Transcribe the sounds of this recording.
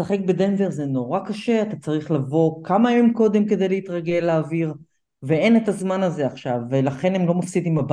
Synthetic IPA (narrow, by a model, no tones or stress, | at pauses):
saχe̞k̚bed̪enveʁzeno̞ʁakaʃe̞at̪at͡saʁiχlavo̞kamajomko̞d̪e̞mke̞d̪ejleit̪ʁaɡe̞leːviʁ | vee̞netazmanazeaχʃavːelaχe̞nemlo̞mafsid̪imab